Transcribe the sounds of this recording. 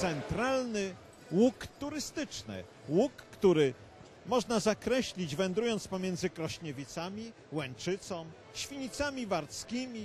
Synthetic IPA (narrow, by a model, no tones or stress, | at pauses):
t̪sɛnt̪ɾalnɘ | wukt̪uɾɘst̪ɘt͡ʂnɘ̰ | wukːt̪uɾɘ | mɔʐnazakɾɛɕlʲid͡ʑvɛnd̪ɾujɔnt̪spɔmʲjɛnd̪zɘkɾɔɕɲɛvʲit̪samʲi | wɛnt͡ʂɘt̪sɔ̃m | ɕfʲiɲit̪samʲivaɾt̪skʲimʲi